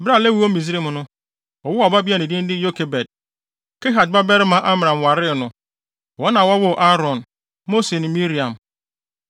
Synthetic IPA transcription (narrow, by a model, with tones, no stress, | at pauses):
bɾa˦˨le˦wi˨˦o˦mĩ˨zi˦ɾe˦m˨nʊ̃˦ | ɔ˨wʊ˦a˨ba˦bi˦a˦nɪ̃˨dɪ̃˦n˦dɪ˦jo˦kʰe˨bɛ˨d̚ | ke˦ɦa˨t̚ba˦bɛ˦ɾɪ˦mã˨˦ʔa˦m˨ɾã˨m˨wa˨ɾɪ˦˨nʊ̃˦ | wɔ̃˦nã˨wa˦wʊ˦˨ʔa˦ɾɔ̃˨n | mo˦se˨nɪ̃˨mi˦ɾi˨ã˨m